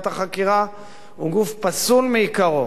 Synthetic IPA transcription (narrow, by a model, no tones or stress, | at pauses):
t̪aχakiʁa | uɡufpasulmeikaʁo